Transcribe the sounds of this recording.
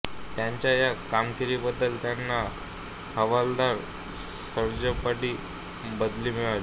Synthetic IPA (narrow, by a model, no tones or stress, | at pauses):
t̪jaɲt͡ɕjajakamkiɾiːbəd̪ːəlt̪janːa | həʋald̪aɾ | s | əɾd͡ʑəpəɽiː | bəd̪liːmiɭali